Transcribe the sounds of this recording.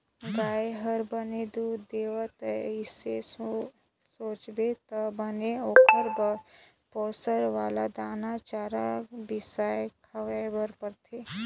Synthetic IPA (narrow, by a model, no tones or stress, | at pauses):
ɡaːeɦəɾbəned̪uːd̪eːʋət̪ɪse | soːt͡ʃbet̪ɐbəneoːkəɾbə | poːsəɾʋaːlad̪aːnat͡ʃaːɾabɪsaːjkʰəʋebəɾpəɾt̪ʰeː